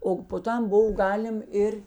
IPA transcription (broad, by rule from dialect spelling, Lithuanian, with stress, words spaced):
oː poː ˈtɐm ˈboːw ˈɡɑːlʲɪm ˈɪr